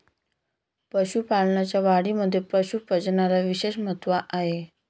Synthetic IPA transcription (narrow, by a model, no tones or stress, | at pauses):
pəɕupaɭɳjat͡ɕjaʋaɽiməd̪ʱːjepəɕupəd͡zɳaɾaʋiɕeɕmət̪ʋaʔaɦe